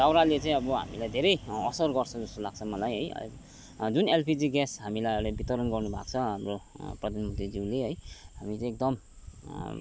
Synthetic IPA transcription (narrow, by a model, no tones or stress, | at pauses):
d̪awɾalet͡sʌĩʌbʌɦa̰milajd̪ʱeɾʌjʌsʌrɡʌrt͡sʰʌd͡zʌst̪olaɡ̚t͡sʰʌmʌlajɦʌjʌ̰ | d͡zunelpʰid͡ziɡɛsɦamilajʌlbit̪ʌɾʌnɡʌrnubʱa̰kt͡sʰʌɦamroprʌd̪ʱanmʌnt̪rid͡ziwleɦʌjɦamit͡sʌĩek̚d̪ʌm